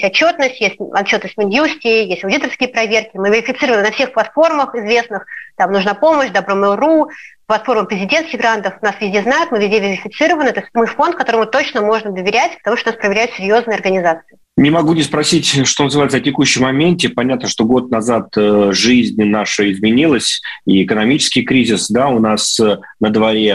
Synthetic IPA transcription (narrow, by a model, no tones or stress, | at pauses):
esʲɐt͡ɕːo̞t̪nəsʲtʲjesʲtʲɐtt͡ɕːot̪nəsʲtʲmʲɪnjusʲtʲɪjesʲtʲɐʊdʲit̪ərskʲɪjəpɾɐvʲe̞rkʲɪmɨvʲɪɾʲɪfʲɪt̪sɨɾəvənənɐfsʲe̞xplˠɐt̪fo̞rməxɪzvʲe̞snɨxt̪amnʊʐnapo̞məɕd̪ɐbɾomɨlˠruplˠɐt̪fo̞rməpɾʲɪzʲɪdʲe̞nskʲɪɣɡɾant̪əfnasvʲɪzʲdʲeznajʊt̪mɨvʲɪzʲdʲevʲɪɾʲɪfʲɪt̪sɨɾəvənɨt̪osʲtʲmɨfo̞nt̪̚kɐt̪o̞ɾəmɨt̪o̞t͡ɕnəmo̞ʐnəd̪əvʲɪɾʲætʲpə̥t̪ɐmuʂt̪onaspɾəvʲɪɾʲæjʊt̪sʲɪɾʲjo̞znɨjəɐrɡənʲɪzat̪sɨɪ | nʲɪmɐɡunʲɪspɾɐsʲitʲʂt̪o̞nəzɨvajt̪ətʲɪkuɕːɪmmɐmʲentʲɪpɐnʲat̪nəʂt̪o̞ɡo̞t̪̚nɐzat̪ʐɨzʲnʲnaʂɨɪzmʲɪnʲilˠəsʲiɪkənɐmʲit͡ɕɪ̥skʲɪjkɾʲizʲɪsd̪aʊnas | nəd̪vɐɾʲe